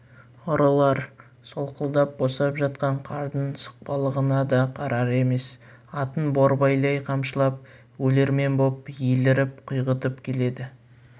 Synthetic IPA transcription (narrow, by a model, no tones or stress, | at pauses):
oɾɑlˠɑɾ | so̞lˠqʰəlˠd̪ɑp̚bo̞sɑpʒɑt̪̚qɑɴqʰɑɾd̪ənsə̥q̚pɑlˠəʁənɑd̪ɑqʰɑɾɑɾe̞me̞s | ɑt̪ənboɾbɑjlˠɑjqʰɑmʃəlˠɑp̚ | wɵle̞ɾme̞nbo̞pjelɪɾɪp̚qʰʊjʁət̪əpkʲʰe̞le̞d̪ɪ